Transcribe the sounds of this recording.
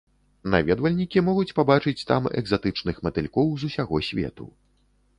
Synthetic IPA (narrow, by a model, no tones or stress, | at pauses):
na̰vʲɛd̪vɐlʲnʲikʲimɔɣut͡sʲpabat͡ʂɨt͡sʲt̪a̰mɛ̰ɡzat̪ɨt͡ʂnɨxmɐt̪ɨlʲkɔwzusʲaɣɔsʲvʲɛ̰t̪ṵ